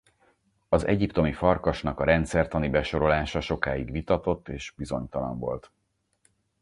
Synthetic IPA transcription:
ɒzɛ̰ɟipt̪o̞mifɒrkɒʃnɒkɒɾɛnt̪sɛrt̪ɒnibɛʃo̞ɾo̞laːʃɒʃo̞kaːjiɡʋit̪ɒt̪o̞t̪ːeːʃbizo̞ɲt̪ɒlɒ̰ɱvo̞̰lt̪

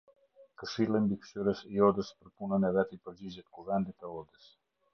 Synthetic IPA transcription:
kəʃilˠimbikʃyɾəsiɔd̪əspəɾpunənɛvɛt̪ipəɾd͡ʑid͡ʑɛt̪kuvɛnd̪it̪ɛɔd̪əs

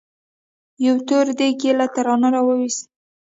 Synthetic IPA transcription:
jawt̪oɾd̪ekelat̪aɾɑnaɾawəwis

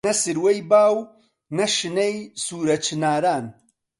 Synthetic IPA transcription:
ɐsɨɾwejbaːw | nɐʃɨnejsuːɾɐt͡ʃʰɨnaːɾaːn

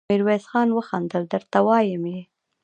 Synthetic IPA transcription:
iɾwesxɑnwəxɑnd̪əld̪əɾt̪awɑjəmje

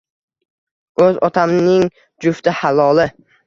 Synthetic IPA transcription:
ɵzɒt̪ʰamnɪŋ | d͡ʒʊft̪ɪhalˠɒlɪ

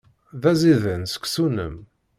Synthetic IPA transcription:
ðæziðənsə̥kʷːsunə̰m

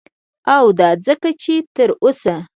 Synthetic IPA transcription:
awd̪ɑd͡zəkat͡ʃet̪əɾosa

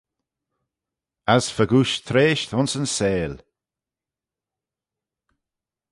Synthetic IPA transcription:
azfəɡuʃt̪ʰɾeːʃt̪ʊnsənseːl

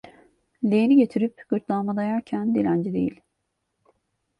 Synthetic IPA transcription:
lʲejeniɟe̞t̪ʰiɾipɡ̥ɯɾt̪lˠanmad̪ajaɾcʰænd̪ilʲænd͡ʒid̪e̞jḭlʲ

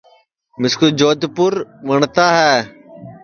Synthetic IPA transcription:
mɪskud͡ʒoːd̪pʊɾʋəɳt̪aːɦɛː

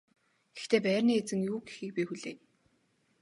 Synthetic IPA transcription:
ɡ̥ext̪ʰeːpæːrʲniːet͡sɘ̆ŋjuːɡe̥xɘ̆k̚pʲiːxuɮeː

